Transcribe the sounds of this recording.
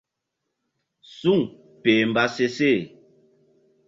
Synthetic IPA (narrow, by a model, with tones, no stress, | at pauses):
su˦˨ŋ | peː˨m̩˨ba˦se˦se˦˨